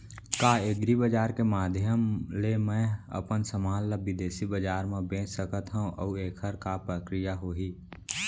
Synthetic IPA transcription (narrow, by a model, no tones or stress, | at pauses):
kaːeɡɾibəd͡ʒaːɾkemaːd̪ʱjəmlemɛ̃ə̰pənsəmaːlːəbɪd̪eːsibəd͡ʒaːɾmẽbẽːt͡ʃsəkət̪ɦɛ̃ʔə̰ueːkʰəɾkapɾəkɾijaɦoːɦiː